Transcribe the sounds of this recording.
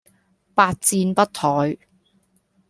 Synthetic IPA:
paː˧t̚t͡siː˧npɐ˥t̚t̪ʰɔː˨˥j

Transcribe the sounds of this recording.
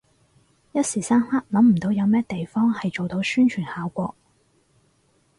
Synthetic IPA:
jɐ˥t̚siː˨˩saː˥nhaː˥k̚lɐ˨˥mm̩˨˩t̪o˨˥wjɐ˨˧wmɛː˥t̪e˨jfɔː˥ŋhɐ˨jt͡ʃo˨wt̪o˨˧wsyː˥nt͡ʃʰyː˨˩nhaː˨˥wkʷɔː˧k̚

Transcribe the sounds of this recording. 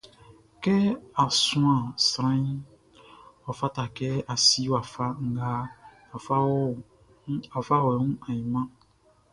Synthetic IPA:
kɛ˦a˨sũ˦ã˨sɾã˦ĩ˦ | ɔ˨fa˦ta˨kɛ˦a˨si˦wa˨fa˦ŋ̩˦ɡa˦ | a˨fa˦wɔ˦ | a˨fa˦wɛ˨˦ũ˦ã˨jĩ˨mã˦

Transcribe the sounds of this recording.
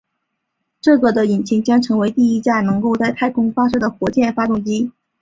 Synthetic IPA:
ʈ͡ʂɤ˥˩ɡə˩d̪ə˩i˨˩nt͡ɕʰi˧˥ŋt͡ɕjɑ˥ŋʈ͡ʂʰɤ˧˥ŋwe˧˥ɪt̪i˥˩i˥t͡ɕja˥˩nɤ˧˥ŋko˥˧ʊt͡sa˥˧ɪt̪ʰa˥˩ɪkʰʊ˥ŋfa˥ʂɤ˥d̪ə˩xwɔ˧˥t͡ɕjɛ˥˩nfa˥t̪ʊ˥˩ŋt͡ɕi˥

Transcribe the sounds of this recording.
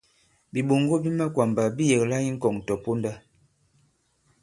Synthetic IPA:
bi˨ɓo˨ŋɡo˦bi˦ma˦kwa˨mba˨bi˦je˨kla˦i˦ŋ̩˦kɔ˨ŋ˨tɔ˨po˦nda˦

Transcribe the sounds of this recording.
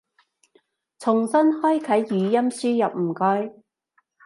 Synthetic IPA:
t͡sʰʊ˨˩ŋsɐ˥nhɔː˥jkʰɐ˨˥jːyː˨˧jɐ˥msyː˥jɐ˨p̚m̩˨˩kɔː˥j

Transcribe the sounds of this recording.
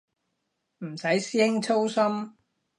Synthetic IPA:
m̩˨˩sɐ˨˥jsiː˥hɪ˥ŋt͡sʰo˥wsɐ˥m

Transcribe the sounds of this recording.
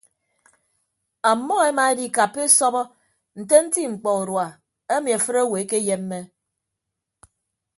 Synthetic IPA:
a˨mːɔ˦e˦ma˨e˦di˦˨ka˨pːe˦sɔ˦bɔ˦ | n̩˨te˦n̩˦ti˦ŋ͡m̩˨k͡pɔ˨u˨ɾwa˨ | e˦mi˨a˨fɨ˦ɾe˦we˨e˦ke˦je˦m̩ː˦e˦

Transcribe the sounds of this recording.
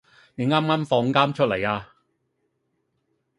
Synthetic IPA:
ne˨˥ŋaː˥maː˥mfɔː˨˧ŋkaː˥mt͡ʃʰɵ˥t̚le˨˩jaː˧

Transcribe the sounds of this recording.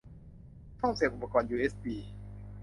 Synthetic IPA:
t̪ʰɔ˥˩ŋsiː˨˩˦ʔuː˨˧pːa˧kɔː˧njuː˧˩ʔeː˦˥spiː˧

